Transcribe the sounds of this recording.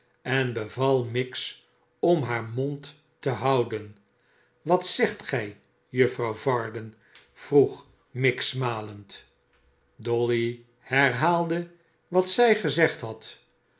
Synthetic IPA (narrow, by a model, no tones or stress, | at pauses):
ɛnbəvɑlˠmɪks | ɔmɦaːɹmɔntː | əɦɑwdən | ʋɑtsɛχtχɛj | jɵfrɑwvɑɹdən | v̥ruχ | mɪksmaːlənt | dɔli | hɛɹɦaːlˠdə | ʋɑtsɛjχəzɛχtɦɑt